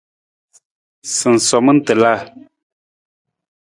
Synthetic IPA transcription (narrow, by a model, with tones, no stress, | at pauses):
sɨ˨n̩˨sɔ˨mɨ˦n̩˦tɨ˨la˦˨